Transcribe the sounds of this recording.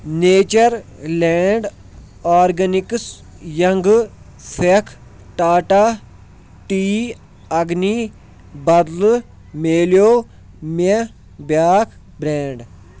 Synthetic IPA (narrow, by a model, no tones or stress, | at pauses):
neːt͡ʃɐɾlɛːɳɖ | aːɾɡɐniks | jɐŋɡ | sekʰ | ʈaːʈaː | ʈiː | ɐɡniː | bɐd̪l | meːljoː | me | bjaːkʰ | bɾɛ̃ːɳɖ